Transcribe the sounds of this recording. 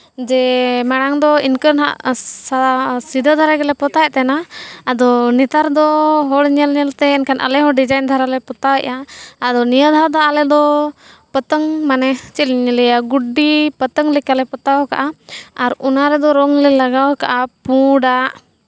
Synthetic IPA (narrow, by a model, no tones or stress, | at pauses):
d͡ʒɛmɛɽ̃aŋd̪ɔinkənɦa̰ʔsasid̪ʱəd̪ʱaɾaɡɛlɛpɔt̪ajʔt̪ɛnaːd̪ɔnɛt̪aɾd̪ɔɦɔɽɲɛlɲɛlt̪ɛːnkʰanʔa̰lɛɦɔɽɖid͡ʒajnd̪ʱaɾalɛpɔt̪awɛʔaad̪ɔnijəd̪ʱad̪ɔalɛd̪ɔ | pət̪əŋmanɛt͡ʃit̪ɲlɛjaɡuɖipət̪əŋlɛkalɛpɔt̪awɔka̰ʔaaɾunaɾɛd̪ɔɾɔŋlɛlaɡawɔkaʔapuɽaʔ